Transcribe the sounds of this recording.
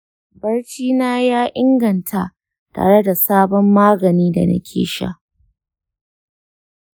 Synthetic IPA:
bɐ˦rt͡ʃiː˦naː˦jaː˦ʔɪ˦ŋɡɐ˨ntʰa˦ | ta̰ː˨ɽe˦da˨saː˦bɔ˦mːaː˦ɡɐ˨niː˦da̰˨na̰˦kʲʰḛː˨ʃa̰˦˨

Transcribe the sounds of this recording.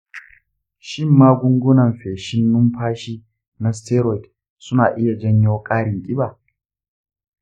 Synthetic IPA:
ʃɪ˦˨mːaː˦ɡʷʊ˦ŋɡʷʊ˦nɐ˨mɸeː˨ʃɪ˦nːʊ˦mɸaː˦ʃiː˦ | na˦stɛː˦ɾɔ˨t | sʊ˦naː˨ʔɪ˦ja˨d͡ʒɐ˦ɲjoː˦kʼaː˦ɽɪ˨ŋkʲʼɪ˦baː˨

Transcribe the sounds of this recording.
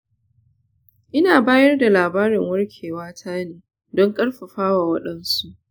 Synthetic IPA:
ʔɪ˦naː˨baː˦jɐ˦rda˨laː˨baː˦ɾɪ˨ŋwɐ˦rkʲʰeː˨waː˦tʰaː˦neː˨ | dɔ˦ŋkʼɐ˦ɽɸɐ˨ɸaː˦waː˨wɐ˦ɗɐ˦nsu˦ʔ

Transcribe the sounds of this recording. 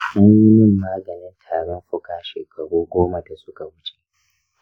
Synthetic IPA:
mʊ˦ɲjɪ˦nɪ˦˨mːaː˦ɡɐ˨nɪ˦ntʰaː˨ɽɔ˦mɸʊ˦kaː˨ʃeː˨kʰɐ˨ɽuː˦ɡʷoː˦ma˨da˨sʊ˦ka˨wʊ˦t͡ʃe̥˦ʔ

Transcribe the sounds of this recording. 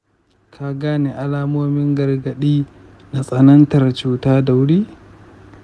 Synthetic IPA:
kʰa˨ɡaː˦neː˨ʔa˦laː˦moː˦mɪ˦ŋɡɐ˨rɡɐ˨ɗiː˦ | na˨sʼɐ˨nɐ˦ntɐ˨rt͡ʃuː˦taː˦da˨wʊ˦ɽiː˦

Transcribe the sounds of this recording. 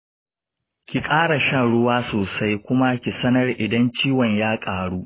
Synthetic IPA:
kʲi˨kʼaː˦ɽa˨ʃɐ˦˨ɽʊ˦waː˦soː˨sa˦jkʷʊ˦ma˦kʲi˨sɐ˦nɐ˦rʔɪ˨dɐ˦nt͡ʃiː˦wɔ˨ɲjaː˦kʼaː˨ɽuː˦ʔ

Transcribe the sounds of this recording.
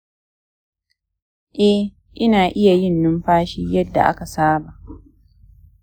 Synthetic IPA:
ʔɛ˦ | ʔɪ˦naː˨ʔɪ˦ja˨jɪ˦nːʊ˦mɸaː˦ʃiː˦jɐ˦dːa̰˨ʔa̰˦ka˨saː˦ba˨ʔ

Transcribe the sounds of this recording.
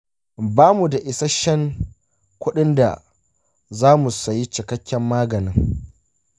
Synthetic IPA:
baː˦mu˨da˨ʔɪ˨sɐ˦ʃɐ˦ŋ | kʷʊ˦ɗɪ˦nda̰˨ | zaː˦mu˨sɐ˨ji˦t͡ʃɪ˨kɐ˦kʲːɛ˦mːaː˦ɡɐ˨nɪ˦ŋ

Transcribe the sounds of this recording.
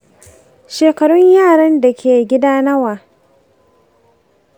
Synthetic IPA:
ʃeː˨kɐ˨ɽʊ˦ɲjaː˦˨ɽɐ˦nda˨kʲeː˨ɡʲɪ˦daː˦nɐ˦waː˨

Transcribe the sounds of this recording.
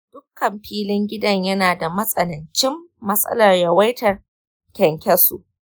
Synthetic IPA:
d̥ʊ˦kːɐ˨mɸiː˦lɪ˦ŋɡʲɪ˦dɐ˦ɲjɐ˦naː˨da˨mɐ˦sʼɐ˨nɪ˨nt͡ʃɪ˦mːɐ˦sʼɐ̰˦lɐ˨rjɐ˨wɐ˦jtɐ˨r | kʲɛ˨ŋkʲɛ˦sṵ˨ʔ

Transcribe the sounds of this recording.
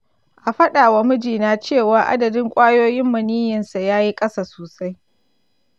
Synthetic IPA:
ʔa˨ɸɐ˦ɗa˨wa˨mʊ˦d͡ʒiː˨naː˦t͡ʃeː˦˨waː˨ʔa̰˦dɐ˨dɪ˦ŋkʷʼaː˦joː˦jɪ˦mːɐ˨niː˦jɐ˨nsa˨jaː˦ji˦kʼɐ˦sa˨soː˨sa˦j

